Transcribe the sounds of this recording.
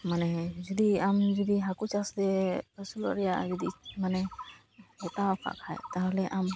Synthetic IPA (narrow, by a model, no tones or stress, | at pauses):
manɛd͡ʒɔd̪iamd͡ʒɔd̪iɦakut͡ʃasd̪ɛpəsulɔ̰ɾɛjad͡ʒɔd̪imanɛ | ɛt̪apʰa̰ka̰jt̪aɦlɛʔam